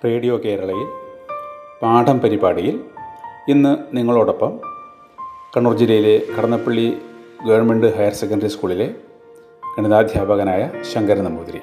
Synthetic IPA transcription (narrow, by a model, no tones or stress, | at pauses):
preːɽijo̞ːke̞ːɾɐɭɐjil | paːɳɖʰʱɐmpɐɾibaːɽijil | inːɨniŋːɐɭo̞ːɽopːɐm | kɐɳurd͡ʑiɾɐjile̞kʰɐɽɐnːɐpːɐɭːiɡɐʋɐɳmeɳɖɨɦɐjɐrsekːɐɳɖɐɾiskuːɭile̞ | kɐnɐðaːd̪ʱjaːbɐɣɐnaːjɐɕɐŋɡɐɾɐnɐmuːd̪ɾḭ